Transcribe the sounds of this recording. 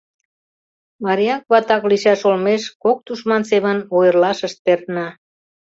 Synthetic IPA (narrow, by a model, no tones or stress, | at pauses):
mɑɾʲiɑkβɑt̪ɑkliʃɑʃolmeʃkok̚t̪uʃmɑnseβənojərlɑʃəʃt̪̚pert̪nɑ